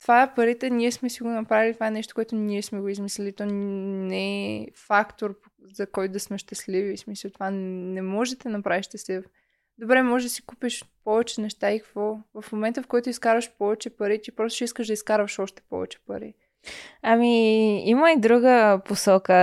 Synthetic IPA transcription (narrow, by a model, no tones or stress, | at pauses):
t̪vaɛpɐɾit̪ɛniɛsmɛsiɡonɐpɾavilit̪ovaɛnɛʃt̪o̥koɛt̪ʊniɛsmɛɡoizmislɛlit̪ɔnɛɛfakt̪oɾp | z̥ɐkɔjt̪ʊd̪ɐsmɛʃt̪ɐslivismisəlˠt̪ovannɛmɔʒd̪ət̪ɛnɐpɾaviʃt̪ɛsɛf | d̪obɾɛmɔʒɛʒd̪ɐsi̥kupiʃpɔvɛt͡ʃɛnɛʃt̪aikɐ̥kvɔvɐfmomɛnt̪əfkɔjt̪ʊiskaɾvəʃpɔvɛt͡ʃɛpɐɾit̪ʲipɾɔst̪o̥ʃiskəʒd̪ɐiskaɾvəʃɔʃt̪ɛ̥pɔ̰vɛ̰t͡ʃɛ̥pɐ̰ɾḭ | amiiməid̪ɾuɡəposɔkə